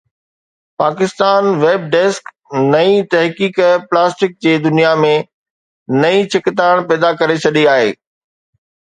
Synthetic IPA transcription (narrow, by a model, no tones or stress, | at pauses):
paːkɪst̪aːnʋeːb̚ɖɛːsk | nɐĩt̪ɐɦkiːkplaːsʈɪk̚d͡ʑeːd̪ʊnijamẽ | nɐĩt͡ɕʰɪkɪt̪aːɽ̃pɛːd̪akɐɾet͡ɕʰɐɗiaːɦḛː